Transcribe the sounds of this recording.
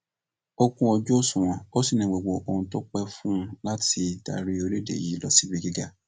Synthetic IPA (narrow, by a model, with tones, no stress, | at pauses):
o˧kũ˦ɔ˧d͡ʒo˦sũ˨w̃ɔ̃˨o˦si˦˨nĩ˨ɡ͡bo˨ɡ͡bo˨ʔo˧hũ˧to˦k͡pɛ˦fũ˦la˦ti˧˨ta̰˧˨ɾi˦o˧le˦dḛ˨ji˨˦lɔ̰˨si˦bi˧ɡi˦ɡa˦